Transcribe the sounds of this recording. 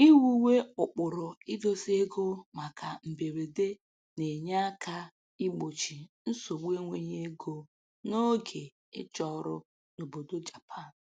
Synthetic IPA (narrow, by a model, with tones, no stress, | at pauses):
i˦wu˦we˦ʊ˨k͡pʊ˨ɾʊ˨i˦do˦se˦ɡo˦ma˨ka˨m̩˨be˨ɾe˨de˦ | ne˨ɲa˦kʰa˦ | i˦ɡ͡bo˨t͡ʃi˨n̩˦so˨ɡ͡be˦ŋʷe˦ɲe˦e˦ɡo˦ | no˦ɡe˨ | ɪ̰˦t͡ʃɔ˦ɾʊ˦ | no˨bo˨do˦d͡ʒa˨pʰa˦˨n̩˨